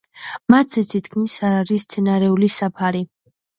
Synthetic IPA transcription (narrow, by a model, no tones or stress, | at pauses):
mat̪ʰzɛt̪ʰit̪kʰmisaɾaɾist̪sʰɛnaɾɛulisapʰaɾi